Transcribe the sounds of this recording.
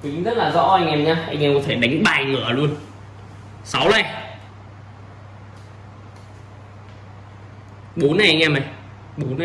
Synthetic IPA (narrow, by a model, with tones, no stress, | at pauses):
ki˨˦ŋzə˦˥t̚laː˨˩zɔ̰˧˥ʔa˧jŋʔɛ˧mɲaː˧ʔa˧jŋʔɛ˧mkɔ˨˦t̪ʰe˧˩ɗa˨˦jŋ̟ɓaː˧˨˩ŋɨ˧˩əlu˧ən | sa˨˦wlɛ˧˩ | ɓo˨˦nːa˨˩jʔa˧ŋ̟ʔɛ˧ma˨˩j | ɓo˨˦nːa˨